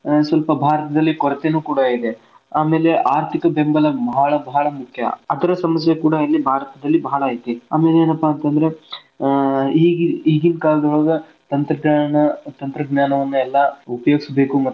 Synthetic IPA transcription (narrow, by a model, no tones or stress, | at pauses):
sʋɐlpɐbʱaːɾt̪ɐd̪ɐlːikɔɾɐt̪eːnuːkuːɽɐid̪e | aːme̞ːle̞ʔaːɾt̪ʰikɐbembɐlɐbɐɦɭɐbɐɦɐɭɐmukʰjɐ̰ɐd̪ɐɾɐsɐmɐsjɐkuːɽɐilːibʱaːɾɐt̪ɐd̪ɐlːibɐɦɐɭɐaːit̪iaːme̞ːleːnɐpːaɐnt̪ɐnd̪ɐɾe | iːɡiiːɡinkaːld̪ɐɦoːɡɐ | t̪ɐnt̪ɾɐɡaːɐɳɐt̪ɐnt̪ɾɐɡnaːnɐʋɐnːuɛlːɐupɐjoːɡisbe̞ːkumɐ